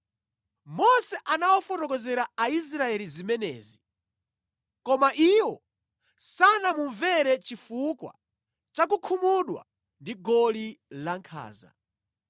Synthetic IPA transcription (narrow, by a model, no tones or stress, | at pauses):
mɔsɛʔanawɔfɔtɔk̬ɔzɛɾaais̬ɾaɛlizimɛnɛ̰ːzi | kɔmaʔiwɔ | sanamuɱvɛɾɛt͡ʃifukwa̰ | t͡ʃak̬ukʰumuɗwa̰ | ndiɡɔlilaŋkʰa̰ːza̰